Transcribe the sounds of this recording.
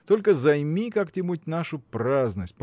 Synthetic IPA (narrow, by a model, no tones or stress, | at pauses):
t̪olʲkəzɐjmʲikakt̪ʲɪmut̚ʲnaʂʊpɾaznəsʲt̚ʲp